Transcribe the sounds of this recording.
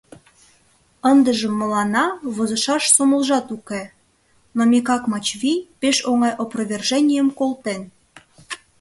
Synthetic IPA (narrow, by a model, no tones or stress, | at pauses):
ənd̪əʒəmːəlɑnɑβozə̆ʃɑʃsomə̆lʒɑt̪uke | nomʲekɑkmɑt͡ɕβijpeʃoŋɑjʔoprəβʲerʒenʲijəmkolˠt̪en